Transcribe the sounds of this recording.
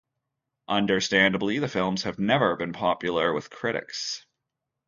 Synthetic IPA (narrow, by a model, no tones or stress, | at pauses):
ʔʌ̃ndə˞stæ̃ndəbliðɨfɪlˠmz̥ɨvnɛvə˞bɨ̃npʰɑpjl̩ˠə˞wɪð̥kʰɹ̥ɪɾɨ̰ks